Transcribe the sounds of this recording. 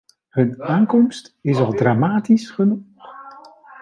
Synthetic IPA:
ɦɵnaːŋkɔmstɪsɑlˠdraːmaːtisχənuχχ

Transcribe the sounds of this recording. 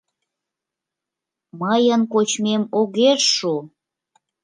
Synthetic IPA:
məjənkot͡ɕmemoɣeʃʃu

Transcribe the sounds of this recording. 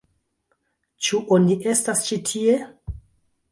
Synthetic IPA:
t͡ʃuʔoniʔe̞stast͡ʃitʰie̞

